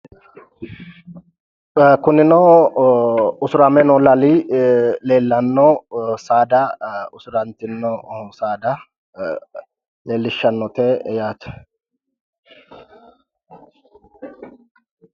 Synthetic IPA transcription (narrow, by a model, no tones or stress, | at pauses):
kʊnɪnɔ | ʊsʊɾɐmɛnɔlɐli | le̞ːlːɐnːɔsaːd̪ɐʊsʊɾɐnt̪ɪnːɔsaːd̪ɐ | leːlːɪʃːɐnːɔt̪ejaːt̪ʊ̥